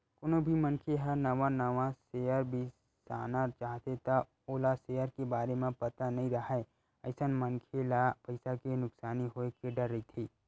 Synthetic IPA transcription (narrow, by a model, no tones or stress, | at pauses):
kʊnobʱimɐ̃nkʰeɦɐɾnɐʋanɐʋaseəɾbʱi | sa̰ːnat͡ʃaːɦt̪et̪a | oːlaseːəɾkebaːɾemẽpɐt̪anɐɦĩɾɐɦae | ɐɪsənmɐnkʰelapɐɪsakenʊksaːniɦoekeɖɐɾːɐɦit̪ʰiː